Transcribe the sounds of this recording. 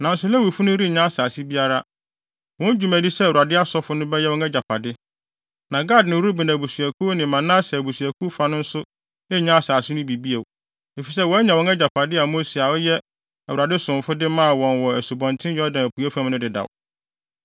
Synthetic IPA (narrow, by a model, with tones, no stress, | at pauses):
nã˨n̩˦sʊ˦lɛ˦wi˨fʊ˦nʊ̃˦ɾi˦˨ɲã˦a˦˨saː˨si˦bi˦a˦ɾa˦ | wɔ̃˦n˦d͡ʑᶣu˦mæ̃˨di˦sɛ˦˨u˨a˨dɪ˦a˦sɔ˦fʊ˦nʊ̃˦bɛ˦jɛ˦wɔ̃˦ŋɛ˦d͡ʑa˨pʰa˨dɪ˦ | nã˨ɡa˦˨dnɪ̃˨wu˦u˦bɪ˨nã˨bu˨su˨æ˨kʰu˦nɪ̃˨mã˨nãː˦sɛ˨bu˨su˨æ˨kʰu˦fa˨˦nʊ̃˦n̩˦sʊ˦ | nɪ˦˨ɲã˦saː˨sɪ˦nʊ̃˦bi˨bi˦e˨w | e˨fi˨s̬ɛ˦wɔ˦ɲã˨wɔ̃˦ŋɛ˦d͡ʑa˨pʰa˨dɪ˦a˨mõ˦si˨a˨wʊ˦jɛ˦˨ | wu˨ɾa˨dɪ˦sʊ̃˨m˨fʊ˦dɪ˦mã˦˨wɔ̃˨nwɔ˨æ˨su˨bɔ̃˨ntʰɪ̃˦jɔ˦dã˨æ˨pʰu˨a˦fã˦m˦nʊ̃˦dɪ˨da̰˨w